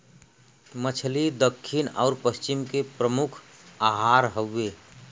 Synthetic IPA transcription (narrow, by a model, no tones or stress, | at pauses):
mət͡ʃʰlid̪əkʰːɪnɔːɾpəst͡ʃɪmkepɾəmʊkʰaɦaːɾɦəːe